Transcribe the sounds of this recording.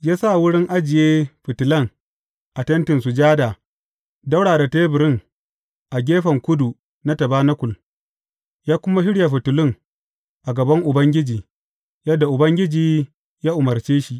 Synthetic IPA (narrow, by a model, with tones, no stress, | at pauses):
jaː˦sa˦˨wʊ˦ɽɪ˦ŋʔa˦d͡ʒɪ˨jeː˦ɸɪ˨tʊ˨lɐ˦ŋ | ʔa˨tɐ˦ntɪ˨nsʊ˨d͡ʒaː˦daː˨ | dɐ˦wɽaː˨da˨teː˦bɪ˨ɾɪ˦ŋ | ʔa˨ɡʲeː˦ɸɐ˨ŋkʷʊ˦du˨ | na˦tɐ˨baː˦nɐ˦kʷʊ˨l | jaː˦kʷʊ˦ma˦ʃɪ˦ɽja˨ɸɪ˨tʊ˨lɪ˦ŋ | ʔa˨ɡɐ˨bɐ˦ŋʔʊ˨bɐ˦ŋɡʲɪ˦d͡ʒiː˨ | jɐ˦dːa˨ʔʊ˨bɐ˦ŋɡʲɪ˦d͡ʒiː˨ | jaː˦ʔʊ˨mɐ˨rt͡ʃeː˦ʃi˨ʔ